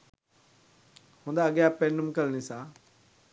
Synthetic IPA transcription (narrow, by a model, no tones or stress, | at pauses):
hũːnd̪aːɐɠjapenʊmkəlnisãː